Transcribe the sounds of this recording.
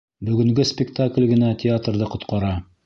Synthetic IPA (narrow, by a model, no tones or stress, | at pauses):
bɵ̆ɡɵ̆ŋɡɵspʲɪkt̪aklʲɡɘ̆nætʲʰɪat̪rðɤqŏt̪qɑɾɑ